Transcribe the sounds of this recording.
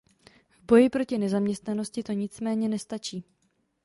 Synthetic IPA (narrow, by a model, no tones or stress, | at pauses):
vbo̞jɪpɾo̞cɪnɛzamɲɛst̪nano̞scɪt̪o̞ɲɪt͡smɛːɲɛnɛst̪at͡ʃiː